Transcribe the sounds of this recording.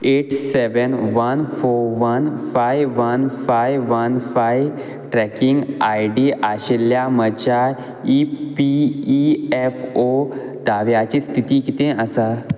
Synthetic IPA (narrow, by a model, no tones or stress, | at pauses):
eʈseʋənʋənfoɾʋənfajʋənfajʋənfajʋ | ʈɾɛkiŋɡajɖiʔaɕelːjamət͡ɕa | ipiː | ɛfod̪aʋjat͡ɕist̪ʰit̪iːkit̪ẽʔəsa